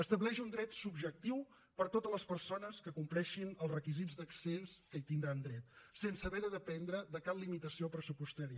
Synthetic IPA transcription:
əst̪əβlɛʃund̪ɾɛt̪subʒək̚t̪iw | pəɾt̪ot̪ələspəɾsonəskəkumplɛʃinəlˠzrəkizidd͡zd̪əkseskəit̪ind̪ɾand̪ɾɛt̪̚sensəβɛðəðəpɛnd̪ɾəðəkaplimit̪əsiopɾəsupust̪əɾiə

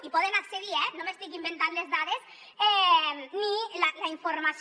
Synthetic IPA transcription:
ipɔðenakseðiɛnõmest̪ikimbent̪anlezðaðes | ɛnilalaiɱfoɾmas

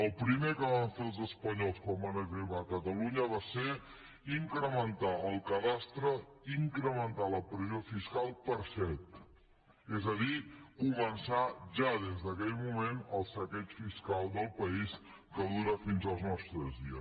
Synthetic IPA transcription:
əlˠpɾimekəβaɱfelˠzəspəɲɔlˠskɔmbanəɣɾiβakət̪əluɲəβ̞ase | iŋkɾəmənt̪aəlˠkəðast̪ɾəiŋkɾəmənt̪aləpɾəzjofiskalˠpəɾsɛt̪ | ɛzəðikuβənsaʒaðezdəkɛʎmumenəlˠsəkɛt͡ʃfiskalˠd̪əlˠpəis | kəðuɾəfinzəlˠznɔst̪ɾəzðiə

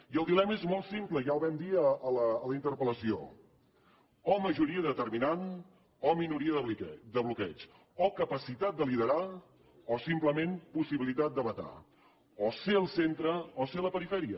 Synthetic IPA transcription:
iəlˠd̪ilɛməezmɔlˠt̪simpləʒaəlˠβɛmd̪iəələːləint̪əɾpələsio̰ | ɔməʒuɾiəðət̪ərminan | ɔminuɾiəðəd̪əβlukɛt͡ʃ | ɔkəpəsit̪at̪̚d̪əliðəɾa | ɔsimpləmempusiβilit̪at̪̚d̪əβət̪a̰ | ɔseəlˠsent̪ɾəɔseələpəɾifɛɾiə

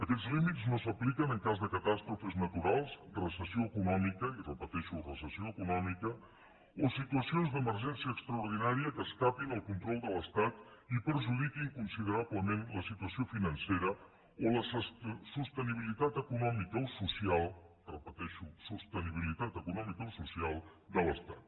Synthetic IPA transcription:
əkɛzlimid͡zznosəplikənəŋkazðəkət̪ast̪ɾufəznət̪uɾalˠsrəsəsioəkunɔmikəirəpət̪ɛʃurəsəsioəkunɔmikə | osit̪uəsionzd̪əməɾʒɛnsiəːkst̪ɾəuɾð̞inaɾiəkəskapinəlˠkunt̪ɾɔlˠd̪ələst̪at̪ipəɾʒuðikiːŋkunsið̞əɾaβləmenləsit̪uəsiofinənseɾə | oləsəssust̪əniβ̞ilit̪at̪əkunɔmikəosusialˠ | rəpət̪ɛʃusust̪əniβ̞ilit̪at̪əkunɔmikəosusialˠd̪ələst̪at̪̚

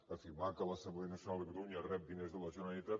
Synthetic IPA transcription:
əfiɾmakəlˠəsəmblenəsjunalˠd̪əɣɾuɲərɛp̚d̪inezðəlˠəʒunalit̪at̪

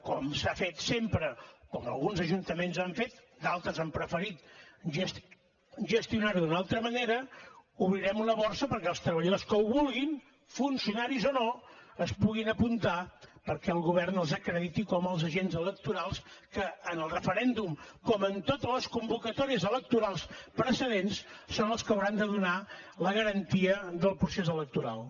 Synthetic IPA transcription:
kɔmsafet̪sempɾəkɔmə̰lˠɣunzəʒunt̪əmenzaɱfet̪ | d̪alˠt̪ɾəzampɾəfəɾit̪ʒəs | ʒəst̪iunaɾðunalˠt̪ɾəməneɾəuβɾiɾɛmunəβɔɾsəpəɾkɛəlˠst̪ɾəβ̞əʎəðoskəuβulˠɣin | funsiunaɾizonoəspuɣinəpunt̪apəɾkɛəlˠɣuβ̞ɛrnəlˠzəkɾəðit̪ikɔməlˠzəʒenzələk̚t̪uɾalˠskəːnəlˠrəfəɾɛnd̪umkɔmənt̪ot̪ələskumbukət̪ɔɾiəzələk̚t̪uɾalˠspɾəsəðenssonəlˠskəwɾand̪əðunaləɣəɾənt̪iəðəlˠpɾusezələk̚t̪uɾa̰lˠ

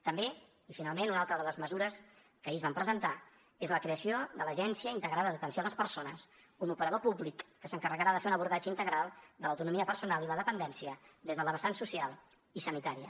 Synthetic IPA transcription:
t̪əmbe | ifinalˠmenunalˠt̪ɾəðələzməzuɾəs | kəezβampɾəzənt̪a | ezləkɾeəsioðələʒɛnsiəint̪əɣɾaðəðət̪ənsioləspəɾsonəs | unupəɾəð̞opuβlikːəsəŋkərəɣəɾaðəfeunəβuɾðad͡ʒəint̪əɣɾalˠd̪ələwt̪unumiəpəɾsunalˠiləðəpənd̪ɛnsiəd̪ezðələβəsansusialˠ | isənit̪aɾiə̰

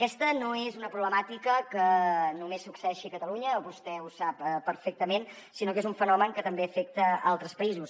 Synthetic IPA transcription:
əkɛst̪ənoezunəpɾuβləmat̪ikəkənumesːuksəɛʃikət̪əluɲəoβust̪ɛusapəːəɾfek̚t̪əmen | sinokezuɱfənɔməŋkət̪əmbeəfek̚t̪əalˠt̪ɾəspəizus

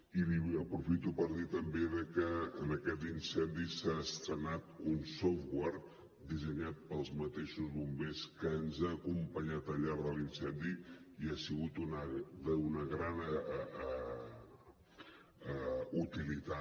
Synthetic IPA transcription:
iβiəpɾufit̪upəɾðit̪əmbeðəkəːnəkɛt̪insɛnd̪isaəst̪ɾənat̪unsɔfɣwaɾ | d̪izəɲat̪̚pəlˠzmət̪eʃuzβumbeskəːnzaːkumpəɲat̪əʎaɾðəlinsɛnd̪iiasiɣut̪unəunəɣɾan | ut̪ilit̪a

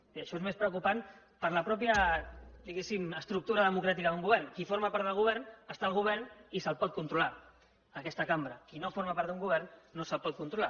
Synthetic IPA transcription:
iəʃɔezmespɾəukupan | pəɾləpɾɔpjəd̪iɣesiməst̪ɾuk̚t̪uɾəðəmukɾat̪ikəðuŋɡuβ̞ɛɾrnkifoɾmapaɾt̪əlˠɣuβ̞ɛɾnəst̪aːlˠɣuβ̞ɛrnisəlˠpɔt̪̚kunt̪ɾula | əkɛst̪əkambɾəkinofoɾmapaɾt̪uŋɡuβ̞ɛɾnːosəlˠpɔt̪̚kunt̪ɾula

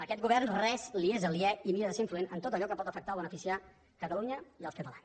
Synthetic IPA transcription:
əkɛt̪ɡuβ̞ɛrnrɛzliezəliɛimiɾəðəseiɱfluenənt̪ot̪əʎɔkəpɔt̪əfək̚t̪alˠβ̞ənəfisia | kət̪əluɲəiəlˠskət̪əlans

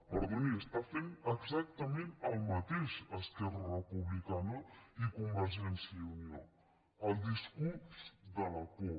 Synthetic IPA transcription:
pəɾðoniəst̪afenəɡzak̚t̪əmẽnəlˠmət̪eʃəskɛrərəpuβlikanəikumbəɾʒɛnsiəunio | əlˠd̪iskuɾzd̪ələko

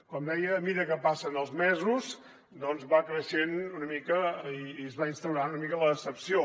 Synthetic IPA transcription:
kɔmd̪ɛjəːmiɾəkəpasənəlˠzmɛzus | d̪ɔnzβakɾəʃenunəmikəiːəzβainst̪əwɾanunəmikələːsəpsio

